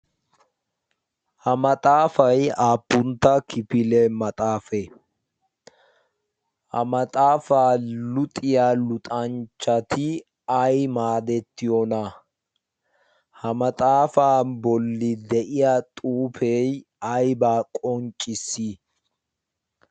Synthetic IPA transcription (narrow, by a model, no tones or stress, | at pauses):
hɐmɐt̪ʼaːfɐjaːpːʊnt̪ːɐkɪpɪlɛmɐt̪ʼaːfɛ | hɐmɐt̪ʼaːfaːlʊt̪ʼɪjaːlʊt̪ʼɐnt͡ʃːɐt̪ʰɪ | ɐjmaːd̪ɛt̪ːɪjɔnɐ | hɐmɐt̪ʼaːfaːbɔlːɪd̪ɛʔɪjat̪ʼuːfej | ɐjbaːkʼɔnt͡ʃʼːɪsːi